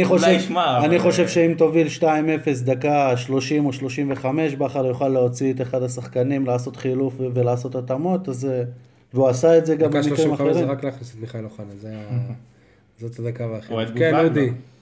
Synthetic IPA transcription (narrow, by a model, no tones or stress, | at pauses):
niχoʃevmaaniχo̞ʃe̞vʃe̞imt̪o̞vilʃtaime̞fe̞s̬d̪akaʃlo̞ʃimo̞ʃlo̞ʃimve̞χame̞ʃbeaχaʁjuχalːeot͡siet̪eχadasaχkanimlaːso̞t̪χilufvelaːso̞t̪atamo̞t̪az | veuasaetze̞ɡamailimaeʁiʁaklaːχnisetmiχajloχanazea | zot̪ad̪akavaχkenod̪i